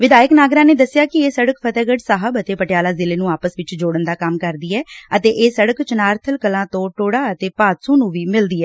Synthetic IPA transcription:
ʋɪd̪aːjəknaːɡɾãːneːd̪əsɪjaːkɪeːsəɽəkpʰət̪ɛːɡəɖsaːɦəbət̪eːpəʈɪjaːlaːzɪleːnũːaːpəsʋɪt͡ʃd͡ʒoːɽənd̪aːkəmkəɾd̪iːɛːət̪eːʔeːsəɽəkt͡ʃənaːɾt̪ʰəlkəlãːt̪õːʈoːɽaːət̪eːpaːt̪sõːnũːʋiːmɪld̪iːɛː

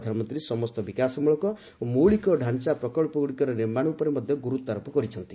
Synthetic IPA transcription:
d̪ʱanmɔnt̪ɾisɔmɔst̪ɔbikasɔmuɭɔkɔ | moɭikɔɖʱant͡ʃapɾɔkɔɭpɔɡuɽikɔɾɔniɾmaɽ̃ɔupɔɾemɔd̪ʱjɔɡuɾut̪aɾɔpɔkɔɾit͡ʃʰɔnt̪i

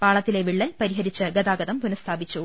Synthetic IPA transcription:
paːɭɐt̪ːileʋiɭːɐlpɐɾiɦɐɾit͡ɕːɐɡɐðaːɡɐðɐmpunɐst̪ʰaːbit͡ɕːu

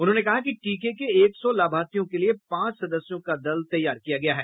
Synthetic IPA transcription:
ʊnɦõːnekɐɦakiʈiːkekeeːksɔlaːbʱaːɾt̪ijõkeliepãːt͡ʃsɐd̪əsjõkad̪ɐlt̪ɐjːaːɾkijaɡɐjaɦɛː

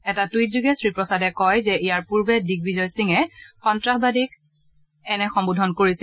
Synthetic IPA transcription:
ɛtatwitzuɡɛsɹipɹɔsadɛkɔjzɛʔijaɹpuɹbɛdik̚bizɔjsiŋɛxɔntɹaxbadik | ɛnɛxɔmbudʱɔnkoɹisi

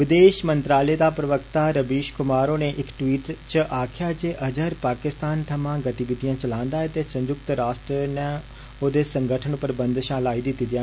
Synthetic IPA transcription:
ʋɪd̪eːʃmənt̪ɾaːleːd̪aːpɾəʋəkt̪aːɾəbiːʃkʊmaːɾoːneːʔɪkʈʋiːʈt͡ʃəʔaːkʰjaːd͡ʒeːʔəd͡ʒəɾpaːkɪst̪aːnt̪ʰəmãːɡət̪iʋɪd̪ijãːt͡ʃəlãːnd̪aːɛːt̪eːsə̃ɲd͡ʒʊk̚t̪ɾaːsʈɾenẽː | oːd̪eːsəŋɡəʈʰənpəɾbənd̪ʃãːlaːiːd̪ɪt̪ːiːd̪ɪjãː

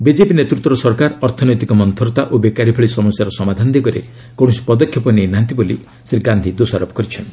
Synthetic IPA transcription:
bid͡ʒepinet̪ɾut̪ːɔɾɔsɔɾkaɾɔɾt̪ʰɔnojt̪ikɔmɔnt̪ʰɔɾɔt̪aʔobekaɾipʰɔɭisɔmɔsjaɾɔsɔmad̪ʱand̪iɡɔɾḛ | koɽ̃si̥pɔd̪ɔkʰːjɔpɔninant̪iboli | siɾɡand̪ʱid̪osaɾɔpɔ̥kɔɾit͡ʃʰɔnt̪i

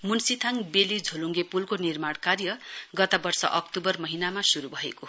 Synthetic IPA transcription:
munsit̪ʰaŋbelid͡zʱoluŋɡepulkonirmaɽ̃karjʌɡʌt̪abʌrsʌ̰ʔʌkt̪ubʌrmʌɦinamasuɾubʱʌḛko

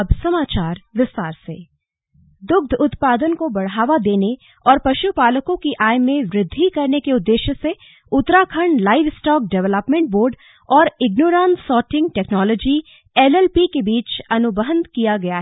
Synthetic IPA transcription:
ɐbsɐmaːt͡ʃaːɾʋɪst̪aːɾseː | d̪ʊɡ̚d̪ʱʊt̪paːd̪ənkobɐɽaːʋad̪eːne | ɔːɾpɐʃupaːləkõkiʔaːjmẽʋɾɪd̪ʱːikɐɾnekeʊd̪ːeːʃse | ʊt̪ɾaːkʰəɳlaːɪʋɪsʈɔːk̚ɖɛʋləpmẽɳʈ̚boːɾɖ | ɔːɾɪɡnoːɾãːnsɔːʈɪ̃ŋɡ̚ʈɛːknɔːlɔːd͡ʒi | ɛlɛlpikebiːt͡ʃɐnʊbəɦənd̪kijaɡɐjaɦɛ

